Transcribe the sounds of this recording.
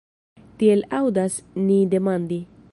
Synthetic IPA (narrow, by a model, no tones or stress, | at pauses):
t̪ielawd̪asnid̪emand̪i